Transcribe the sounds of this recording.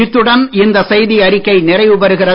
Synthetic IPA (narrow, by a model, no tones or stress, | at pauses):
ɪt̪ːɯɽɐnɪnd̪ɐsɐjðiɐɾɪkːɐɪnɪrɐɪʋɯbɐɾɯɣɪrɐ